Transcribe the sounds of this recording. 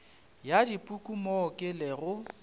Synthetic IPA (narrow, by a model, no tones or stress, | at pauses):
jadipʼukʼumɔkʼɪlɪɣʊ